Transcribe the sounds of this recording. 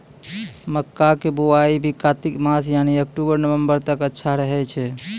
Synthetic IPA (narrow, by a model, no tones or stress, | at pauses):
məkːakebuwaibʱikat̪ikmasjaniəkʈubəɾnəʋəmbəɾt̪əkətːʃʰaɾəɦɛt͡ʃʰɛ